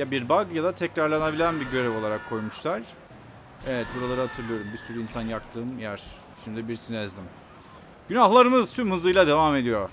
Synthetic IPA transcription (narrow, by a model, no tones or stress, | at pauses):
jabiɾbaɡjad̪at̪ʰɛcɾaɾlˠanabilʲænbiɟø̞ɾevo̞lˠaɾakʰːo̞jmuʃlˠaɾ̥ | evɛt̪̚buɾalˠaɾɯɦat̪ʰɯɾlˠɯjo̞ɾumbisyɾyinsanjakt̪ʰɯːmjæɾ̥ | ʃimd̪ibiɾsinɛɛzd̪ʲim | ɟ̥ynahlˠaɾɯmɯzt̪ʰymhɯzɯjlˠad̪e̞vame̞d̪ijo̞